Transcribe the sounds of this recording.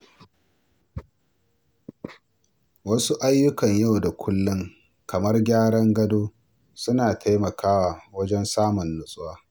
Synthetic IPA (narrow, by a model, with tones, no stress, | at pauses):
wɐ˦su˦ʔa˦jːʊ˦kɐ˨ɲja˦˨wda˨kʷʰʊ˦lːʊ˦ŋ | kɐ˨mɐ˦rɡʲaː˦ɽɐ˦ŋɡɐ˦doː˦ | sʊ˦naː˨tʰa˦jmɐ˨kaː˦waː˨wɐ˦d͡ʒɛ˦nsaː˦mʊ˨nːʊ˨sʼʊ˦waː˦